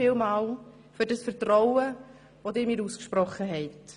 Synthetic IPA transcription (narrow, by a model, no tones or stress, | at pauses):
ɪːlmɑːl | fʏɾdɑsfəɾtrɔwə | ʋodɪːɾmiːɾuːskʃpɾɔχːəɦɛɪt